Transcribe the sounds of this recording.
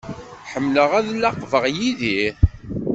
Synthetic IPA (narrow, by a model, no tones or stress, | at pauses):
ħəmːləʁæðlːɑqvəʁjiði